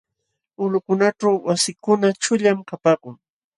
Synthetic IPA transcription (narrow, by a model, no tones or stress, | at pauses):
ʊlʊkʊnaʈ͡ʂawwasɪkʊnat͡ʃʊʎamkapaːkʊŋ